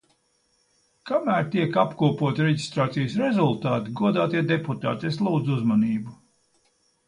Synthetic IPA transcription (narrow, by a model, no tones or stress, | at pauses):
kamæːɾt̪iɛkapkuɔpuɔt̪iɾeɟist̪ɾaːt̪sijsɾɛzulˠt̪aːt̪iɡuɔd̪aːt̪iɛd̪eput̪a̰ːt̪eslˠuːd̪zuzmaniːbu